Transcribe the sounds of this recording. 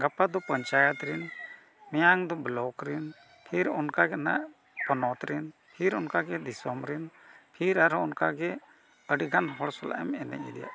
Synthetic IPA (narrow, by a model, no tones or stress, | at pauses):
ɡapad̪ɔpəɲt͡ʃajət̪ɾɛn | mɛjaŋd̪ɔblɔkɾɛn | pʰiɾɔnkaɡɛna̰ʔ | pɔnɔt̪ɾɛn | pʰiɾɔnkaɡɛd̪isɔmɾɛnpʰiɾaɾɔnkaɡɛ | əɖiɡanɦɔɽsɔla̰ʔɛmɛnɛ̰ʔid̪ɛja̰ʔ